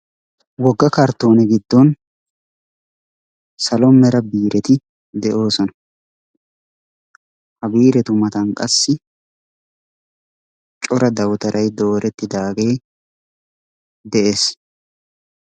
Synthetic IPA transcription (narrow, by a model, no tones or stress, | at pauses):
wɔɡːɐkɐɾt̪ːo̞ːnɛɡɪd̪ːɔn | sɐlɔmːɛɾɐbiːɾɛt̪ɪ | d̪ɛʔo̞ːsɔnɐ̥ | hɐbiːɾɛt̪ʊmɐt̪ɐnkʼɐsːɪ | t͡ʃʼɔɾɐd̪ɐwt̪ɐɾɐjd̪o̞ːɾʔɛt̪ːɪd̪aːɡe̞ː | d̪ɛʔe̞ːs